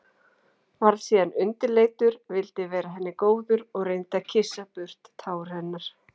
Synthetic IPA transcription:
vaɾðsiːðanʏnt̪ɪleːjt̪ʏɾvɪlt̪ɪvɛːɾaɦɛnːɪkoːwðʏɾɔɣrejnt̪acʰɪsːapʏr̥t̪ːʰaːwʏɾ̥hɛnːaɾ̥

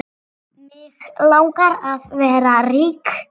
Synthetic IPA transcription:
mɪːɣlˠawkaɾaðvɛːɾariːkʰ

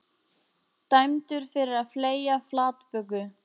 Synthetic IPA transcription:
t̪ajmt̪ʏɾ̥fɪɾɪɾaðfleːjaflaːt̪pœkːʏ

